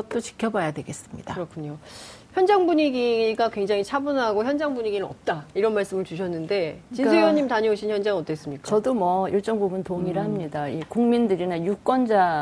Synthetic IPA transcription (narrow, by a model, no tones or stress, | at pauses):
ʌt̚t͈ot͡ɕi̥kʰjʌbajadwe̞ɡe̞s͈ɯmɲḭd̥akɯɾʌkʰuɲo | çjʌnd͡ʑaŋbuɲiɡiiɡakwe̞ŋd͡ʑaŋit͡ɕʰabunɦaɡoçjʌnd͡ʑaŋbuɲiɡinɯnʌp̚t͈aiɾʌnmaɭs͈ɯmɯɭt͡ɕuɕʰʌnːɯnde̞t͡ɕiuʌɲːimtaɲioɕʰinçjʌnd͡ʑaŋʌt͈es͈ɯmɲik͈aʌdomwʌiɭt͡ɕ͈ʌŋɡuɡɯntoŋiɾɦamɲidaikuŋmindɯɾinajuk͈ʌnd͡ʑa